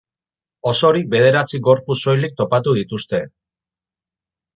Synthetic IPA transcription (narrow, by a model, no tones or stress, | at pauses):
o̞so̞ɾibe̞ð̞e̞ɾat͡siɣo̞ɾpusːo̞jlik̚t̪o̞pat̪uðit̪ust̪e̞